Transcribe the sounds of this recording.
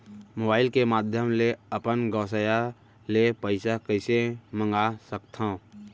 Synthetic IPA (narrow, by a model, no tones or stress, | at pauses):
moːbaːɪlkemaːd̪ʱjəmleəpənɡɔːsəja | lepəɪsakəɪsemə̃ŋɡasəkt̪ʰã